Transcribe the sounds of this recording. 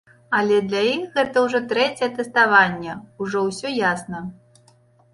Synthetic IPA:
ɐlʲɛd̪lʲaixɣɛt̪ɐwʐɔt̪ɾɛt͡sʲɛjɛt̪ɛst̪avanʲːɛuʐɔwsʲɔjasnɐ

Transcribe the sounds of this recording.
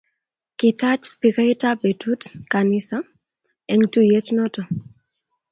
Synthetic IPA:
kɪtat͡ʃspikaitabetutkanɪsa | ɛŋtujet͡ʃnɔtɔ

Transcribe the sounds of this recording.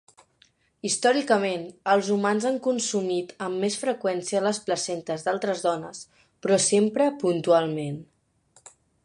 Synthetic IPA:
ist̪ɔɾikəmenəlˠzumanzaŋkunsumit̪əmːesfɾəkwɛnsiələspləsɛnt̪əzd̪alˠt̪ɾəzðɔnəs | pɾɔsempɾəpunt̪ualˠmen

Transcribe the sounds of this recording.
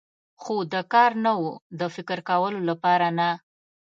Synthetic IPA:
xod̪əkɑɾnawud̪əfɪkəɾkawəlolapɑɾana

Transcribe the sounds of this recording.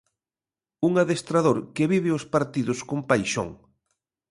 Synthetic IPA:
uŋaðest̪ɾaðoɾkeβiβɪospaɾt̪iðʊskompajʃo̰ŋ

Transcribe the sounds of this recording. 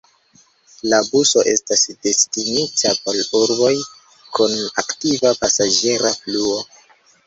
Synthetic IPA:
labuso̞ʔe̞̰stasde̞stinitʰapo̞luɾbo̞j | kunaktivapasad͡ʒe̞ɾafluo̞

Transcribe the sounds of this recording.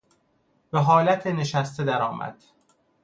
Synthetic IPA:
beɦɒːlæt̪ʰene̞ʃæst̪ʰed̪æɾɒːmæ̰d̪̥

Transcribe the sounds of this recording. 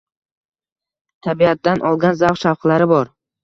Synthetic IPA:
t̪ʰabiat̪̚d̪anʔɒlˠɡʲanzawχʃawqʰlaɾɪbɒɾ

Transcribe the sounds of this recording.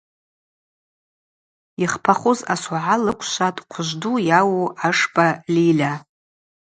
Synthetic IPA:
iχpʰaχʊzaswaʕalɨkʷʰʃʷatʼqʷʰʊʒʷdujawuaʂpʼalilʲa

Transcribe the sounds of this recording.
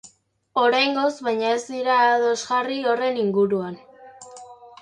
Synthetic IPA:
o̞ɾajŋɡo̞zβajɲaezd̪iɾaːðo̞zɣario̞re̞niŋɡuɾuan

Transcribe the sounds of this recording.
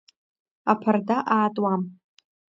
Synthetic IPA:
apʰardaʔaːtʼwam

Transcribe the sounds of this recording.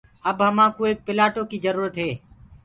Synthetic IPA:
əbɦəmãːkoːeːk̚pɪlaːʈoːkiːzəɾuːɾət̪ɦeː

